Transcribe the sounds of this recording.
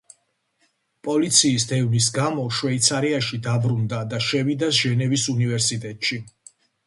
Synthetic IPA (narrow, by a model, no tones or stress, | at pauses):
pʼɔlit̪sʰiːsd̪ɛvnis̬ɡamɔʃwɛit̪sʰaɾiaʃid̪abɾund̪ad̪aʃɛvid̪asʒ̥ɛnɛvisunivɛɾsit̪ʼɛt̪ʼʃi